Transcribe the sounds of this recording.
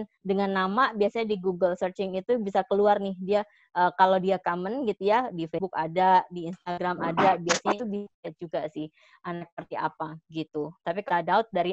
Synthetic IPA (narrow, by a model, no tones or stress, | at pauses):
ndəŋanːamabiasaɲadiɡuɡəlsərt͡ʃɪŋit̪ubisakəluarnɪhdia | ʔəːkalodiakamənɡit̪ujadifebukadadiːnst̪aɡɾamadabiasaɲait̪ubiat̪̚d͡ʒuɡasɪh | ʔanak̚əpərt̪ia̰paɡit̪ut̪apikaladaʊt̪̚daɾi